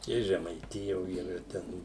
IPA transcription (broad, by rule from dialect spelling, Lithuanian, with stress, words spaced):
ɪ ʒʲɛmɐɪˈtʲɪjoː iːˈrɐ ˈtʲɛn